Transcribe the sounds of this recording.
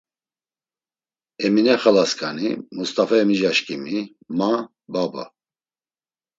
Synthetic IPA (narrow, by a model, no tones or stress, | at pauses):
ɛminɛχalaskʰʼanḭmust̪ʼafaɛmiʒaʃkʼimi | ma | baba̰